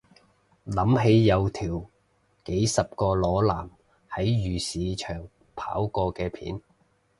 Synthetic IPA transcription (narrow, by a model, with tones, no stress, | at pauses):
lɐ˨˥mɦe˨˥jːɐ˨˧wt̪ʰiː˨˩w | ke˨˥jsɐ˨p̚kɔː˧lɔː˨˧laː˨˩m | hɐ˨˥jjyː˨˩siː˨˧t͡ʃʰœː˨˩ŋ | pʰa̰ː˨˥wkɔː˧kɛː˧pʰḭː˨˥n